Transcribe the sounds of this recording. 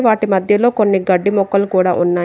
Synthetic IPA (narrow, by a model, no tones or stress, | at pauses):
ʋaːʈimɐd̪ʱjɐlo̞ːko̞nːiɡɐɖːimɔkːɐlukuːɽaːʔunːaː